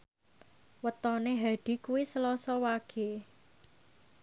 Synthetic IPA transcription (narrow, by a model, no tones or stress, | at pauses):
wət̪ɔneɦaɖ̥i̤kuwisəlɔsɔwaɡ̥e